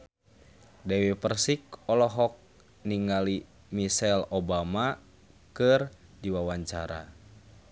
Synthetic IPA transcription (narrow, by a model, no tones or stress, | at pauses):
dɛwipərsikɔlɔɦɔk̚ | niŋɡali | misɛlobama | kɨrdiwawaɲt͡ʃa̰ɾa̰